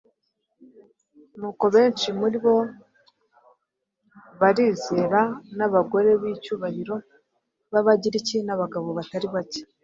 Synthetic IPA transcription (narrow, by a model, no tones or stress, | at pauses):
nuːko̞βe̞ːnt͡ʃimuɾiβo̞ | βaɾiːze̞ːɾanaβaɡo̞ɾe̞βicuːβahiɾo̞ | βaβaɟiɾicinaβaɡaβo̞βataɾiβace̥